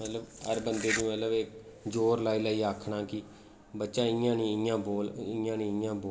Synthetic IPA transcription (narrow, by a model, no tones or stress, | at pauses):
mət̪ləbəɾbənd̪eːd̪iːmət̪ləbek | d͡ʒoːɾlaːiːlaːiːaːkʰɳaːkɪ | bətːʃãːɪãːnĩːɪãːboːlɪːãːnĩːɪjãːboː